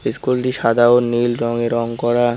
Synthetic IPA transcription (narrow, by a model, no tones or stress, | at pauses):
iskulʈiʃad̪ʱaonilɾɔŋeɾɔŋkɔɾa